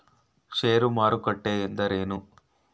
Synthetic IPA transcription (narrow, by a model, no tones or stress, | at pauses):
ʃeːɾumaːɾukɐʈːeːend̪ɐɾeːnu